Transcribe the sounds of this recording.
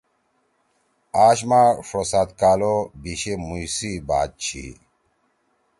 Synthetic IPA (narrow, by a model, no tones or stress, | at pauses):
aːɕmaʂosaːt̪kaːlobiɕemujsibaːt̪̚t͡ɕʰḭ